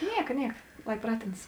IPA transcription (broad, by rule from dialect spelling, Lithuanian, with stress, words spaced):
ˈnʲiɛkɐ ˈnʲiɛkɐ ˈlˠɐɪ ˈprɑːtʲeːnɐs